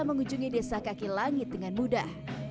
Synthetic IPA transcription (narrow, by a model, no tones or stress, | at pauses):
aməŋuɲd͡ʒuŋidesakakilaŋɪt̪̚dəŋanmudah